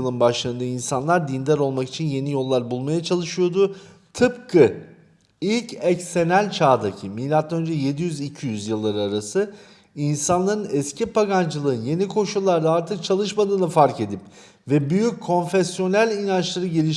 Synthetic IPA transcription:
lˠɯnbaʃlˠaɯnd̪ainsanlˠaɾd̪ind̪æɾo̞lˠmaki̥t͡ʃʰinje̞nijo̞lˠːaɾbulˠmajat͡ʃʰalˠɯʃɯjo̞d̪ʊ | t̪ʰɯpkʰɯ | ilʲcʰɛcsenælʲt͡ʃʰaːd̪acʰimiːlʲat̪ʰːaønd͡ʒɛje̞d̪ijyzicʰijyzjɯlˠːaɾɯaɾasɯ | insanlˠaɾɯnɛscʰipʰaɡand͡ʒɯlˠɯɯnje̞nikʰo̞ʃulˠːaɾd̪aaɾt̪ʰɯk̚t͡ʃʰalˠɯʃmad̪ɯːnɯfaɾce̞d̪ip | vɛbyjyc̚ʰːo̞nfesjo̞nælʲinant͡ʃlˠaɾɯɟe̞lʲiʃ

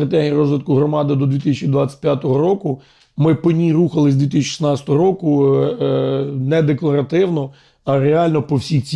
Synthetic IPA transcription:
ɾɐt̪ɛɦʲijiɾɔzʋɪt̪̚kʊɦɾɔmɑd̪ɪd̪ɔd̪ʋʲit̪ɪsʲɛt͡ʃid̪ʋat͡sʲɛ̥t̪̚ʲpʲjat̪ɔɦɔɾɔkʊ | mɪpɔnʲiruxɐlˠɪzʲd̪ʋʲit̪̬ɪsʲt͡ʃːʃi̥snɑt͡sʲt̪ɔɦɔɾɔkʊ | nɛd̪eklˠɐɾɐt̪ɪwnɔ | ɐɾeɑlʲnɔpɔwsʲixt͡sʲ

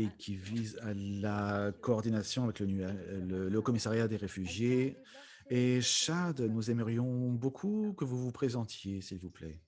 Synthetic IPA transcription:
ekʲʰivizalakɔːʁd̪inasjɔ̃avɛklənyɛlələkɔmisaʁjad̪eʁefyʒje | eʃad̪nuzɛməʁjɔ̃bokʰukəvuvupχezɑ̃t̪jesilvuplɛ

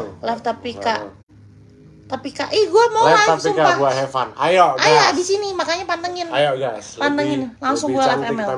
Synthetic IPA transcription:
lɛft̪apikaʔ | t̪apikaʔihɡuamolaasiumkaaɡuahɛfa̰na̰joajadisinimakaɲapandəŋɪnajoɡaspandəŋɪnlaŋsʊŋɡualɛfɛmɛl

